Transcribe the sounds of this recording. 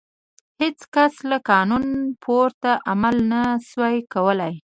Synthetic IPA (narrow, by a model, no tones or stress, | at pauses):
het͡skaslakɑnunpʰoɾt̪aʔamalnaswajkawəlaj